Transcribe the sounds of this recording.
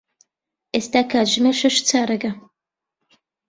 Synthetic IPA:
ʔeːst̪aːkʰaːʒɨmeʃɐʃt͡sʰaːɾɐɡɐ

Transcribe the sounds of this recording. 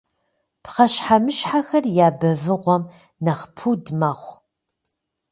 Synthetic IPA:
pχɐɕħamɨʃħaxɐrjaːbɐvɨʁʷɔm | nɐχpʰuːdmɐʁʷ

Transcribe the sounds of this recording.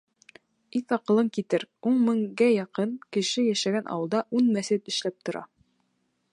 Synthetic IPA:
iθɑqɤ̆lˠɤɴkit̪ɘɾuɴmɘ̆ŋɡæjɑqɤnkɘ̆ʃɘjæʃæɡænʔɑ̰wɤ̆lˠd̪ɑʔunmæsɘt̪ɘ̆ʃlæp̚t̪ŏɾɑ̰

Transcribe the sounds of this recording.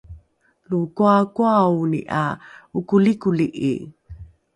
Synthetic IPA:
lukuakuawnḭʔaukulikuliʔḭ

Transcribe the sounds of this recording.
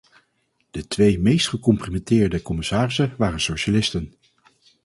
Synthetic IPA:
d̥ətʋejmejstχəkɔmprimɛntɪːɹdəkɔmɪsaːrɪsəʋaːrənsowʃalɪstən

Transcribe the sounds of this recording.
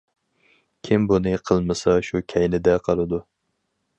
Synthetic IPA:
kʲʰɪmbunɨqʰəlˠmɨsɑʃukʲʰɛjnɪd̪ɛqʰɑlˠɨd̪u

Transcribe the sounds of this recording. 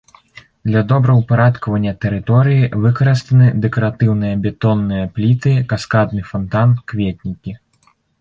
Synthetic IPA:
d̪lʲɐd̪ɔbɾɐwpaɾat̪kɐvɐnʲːɐt̪ɛɾɨt̪ɔɾɨjivɨkɐɾɨst̪ɐnɨd̪ɛkɐɾat̪ɨwnɨjɐbʲɛt̪ɔnːɨjɐplʲit̪ɨkaskad̪̚nɨfant̪ankvʲet̪̚ʲnʲikʲi

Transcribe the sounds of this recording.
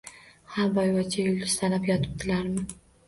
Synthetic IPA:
haɾbɒjwat͡ʃʰajʊlˠɪssʰalapjɒt̪ʰɪ̥p̚t̪ʰɪlaɾmɪ

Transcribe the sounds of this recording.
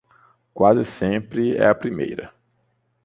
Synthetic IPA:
kwazɪsẽpɾɪɛ̰ɐpɾimḛjɾɐ̰

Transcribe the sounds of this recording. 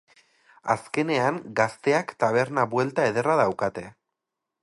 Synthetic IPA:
a̰ske̞ne̞aŋɡast̪e̞akt̪aβ̞e̞ɾnaβwe̞lt̪ae̞ðe̞raðawkat̪e̞

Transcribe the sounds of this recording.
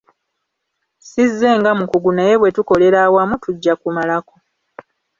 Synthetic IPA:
sizːe̞ːŋɡamukuɡunaje̞βwe̞tuko̞le̞ɾaːwamutuɟːakumalako̞

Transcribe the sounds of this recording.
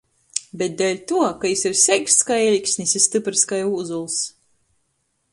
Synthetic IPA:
bʲɛt̪̚d̪ɛlʲt̪uɔkajisiɾsʲɛkʲst̪skajɛlʲikʲsʲnʲisʲist̪ɨpɾɨskajuːzulˠs

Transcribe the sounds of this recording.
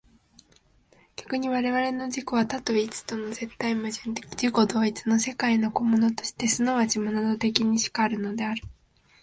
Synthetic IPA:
ɡ̥ʲḁkɯ̟ɲ̟iβaɾe̞βaɾe̞no̞d͡ʑiko̞βat̪at̪o̞it͡sɨ̥t̪o̞no̞ze̞t̪ːaimɯʑĩnt̪ed͡ʑiko̞d̪o̞ːit͡sɨno̞se̞kaino̞ko̞mo̞no̞t̪o̞̥ɕi̥t̪e̞sɨno̞βat͡ɕimononot̪e̞k̬ʲiɲ̟iɕi̥kaːɾɯ̟no̞d̪e̞aɾɯ̟

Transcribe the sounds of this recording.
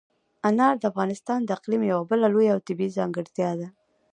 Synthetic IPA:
anɑɾd̪əafɣɑnɪst̪ɑnd̪əaqlimjawabəlalojaawt̪ɪbiizɑŋɡɪɾt̪jɑd̪a

